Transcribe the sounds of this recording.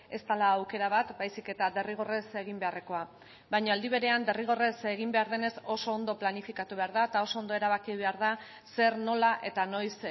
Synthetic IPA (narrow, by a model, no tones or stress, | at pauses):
e̞st̪alaːwke̞ɾaβat̪bajsike̞t̪ad̪e̞riɣ̞o̞re̞se̞ɣ̞imbe̞are̞ko̞a | bajɲoald̪iβ̞e̞ɾe̞and̪e̞riɣ̞o̞re̞se̞ɣ̞imbe̞aɾðe̞ne̞so̞so̞ːnd̪o̞planifikat̪uβe̞aɾð̞aet̪ao̞soond̪o̞e̞ɾaβakiβ̞e̞aɾða | se̞ɾno̞laʔe̞t̪ano̞js